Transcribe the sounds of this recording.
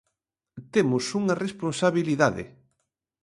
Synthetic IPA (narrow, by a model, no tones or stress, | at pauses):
t̪emʊsuŋɐresponsaβiliðaðɪ̰